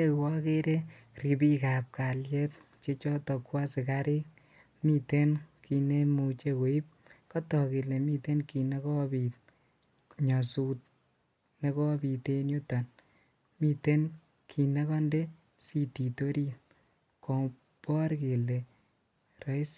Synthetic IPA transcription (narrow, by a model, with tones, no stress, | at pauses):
e˦wɔ˦ke˦ɾe˦ | ri˨bi˦ka˨p̚ka˨ljɛ˦t̪̚ | t͡ʃe˦t͡ʃɔ˦tɔ˨kwa˦sɪ˨kaɾi˦k̚ | mi˧te˦nkʰi˧ne˦mu˧t͡ʃe˧ko˨i˦p̚ | kɔ˦tɔ˨ki˨le˨mi˦te˦nki˨ne˦kɔ˦bi˨t̪̚ | ɲɔ˨su˦t̚ | ne˦kɔ˦bi˨t̪e˧no˦tɔ˨n | mi˧te˦n | kʰi˨ne˦kɔ˦nde˦ | si˨ti˨to˦ɾi˦t̚ | kɔ˨ŋ | pɔ˦ɾke˨le˨ | rɔ˦js